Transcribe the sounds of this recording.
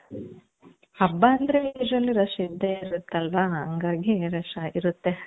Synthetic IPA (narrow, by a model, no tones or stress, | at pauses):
ɐbːaɐnd̪ɾeidɾɐlːiɾɐʃɐid̪ːeiɾut̪ːeɐlʋaɦɐŋɡaːɡiɾɐʂɐiɾut̪ːe